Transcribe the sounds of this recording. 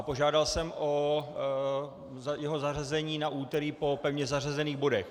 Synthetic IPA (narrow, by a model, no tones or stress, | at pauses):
apo̞ʒaːdalsɛmʔo | zjɛɦo̞zarazɛɲiːnaʔuːt̪ɛɾipo̞pɛvɲɛzar̝azɛniːɣbo̞dɛx